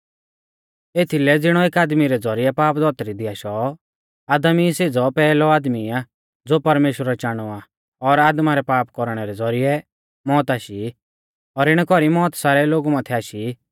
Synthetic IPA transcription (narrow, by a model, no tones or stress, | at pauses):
eːt̪ʰilɛd͡zɪɽ̃ɔeːkaːd̪miɾɛd͡zɔɾiɛpaːpd̪ɔt̪ɾid̪ɪaʃɔ | aːd̪əmiseːd͡zɔpɛːlɔaːd̪mia | d͡zoːpɐɾmeːʃɾat͡ʃaːɽ̃ɔa | ɔɾaːd̪maɾɛpaːpkɔɾɽ̃ɛɾɛd͡zɔɾijɛ | mɔːt̪aːʃi | ɔɾɪɽ̃ɛkɔɾimɔːt̪saːɾɛloːɡumãt̪ʰɛaːʃi